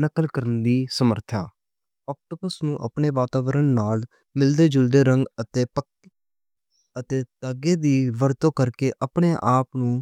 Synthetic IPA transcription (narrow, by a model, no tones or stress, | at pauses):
nəkəlkəɾənd̪iːsəməɾt̪ʰaː | ɔːk̚ʈoːbəsnũːʔə̰pɳeːʋaːt̪aːʋəɾəɳnaːl | mɪld̪eːd͡ʒʊld̪eːɾəŋɡət̪eːpək | ət̪eːt̪aːɡeːd̪iːʋəɾt̪õːkəɾkeːʔəpɳeːʔaːpnũː